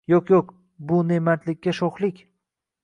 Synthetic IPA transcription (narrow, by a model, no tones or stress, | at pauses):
joqjoq | bʊnemat̪lɪkʲːaʃoχlˠɪkʲ